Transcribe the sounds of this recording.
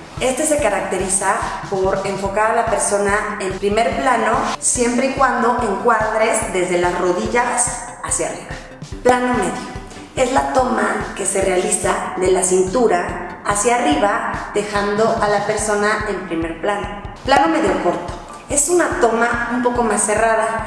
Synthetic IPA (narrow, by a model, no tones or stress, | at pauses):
e̞st̪e̞se̞kaɾak̚t̪e̞ɾisapo̞ɾe̞ɱfo̞kaɾalape̞ɾso̞naempɾime̞ɾplano̞sje̞mpɾe̞ikwand̪o̞ʔe̞ŋkwaɾðɾe̞zðe̞zðe̞lasro̞ðiʝas | asjariβa | plano̞me̞ðjo | e̞zlat̪o̞make̞se̞re̞alisaðe̞lasint̪uɾaːsjaːriβað̥e̞xand̪o̞ʔalape̞ɾso̞nae̞mpɾime̞ɾplano̞plano̞me̞ðjoko̞ɾt̪o̥ | e̞sunat̪o̞maumpo̞ko̞masːe̞raða